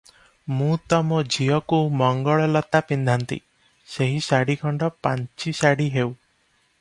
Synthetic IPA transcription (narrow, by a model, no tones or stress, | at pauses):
mũt̪ɔmɔd͡ʒijɔkumɔŋɡɔɭɔlɔt̪apind̪ʱant̪ḭ | seɦisaɽikʰɔɳɖɔpãnt͡ʃisaɽiɦew